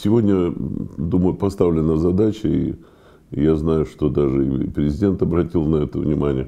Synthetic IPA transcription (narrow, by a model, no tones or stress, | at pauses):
sʲɪvo̞dʲnʲəd̪uməjʊpɐst̪avlʲɪnəzɐd̪at͡ɕəḭ | jaznajʊʂt̪o̞d̪aʐɨipɾʲɪzʲɪdʲe̞nt̪ɐbɾɐtʲilˠnɐɛt̪əvnʲɪmanʲɪ̰jə